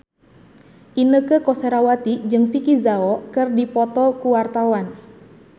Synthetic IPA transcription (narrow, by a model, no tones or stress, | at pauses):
ʔinəkəkɔseɾawat̪id͡ʒɨŋfikizaɔkɨrdipɔt̪ɔkuwart̪awan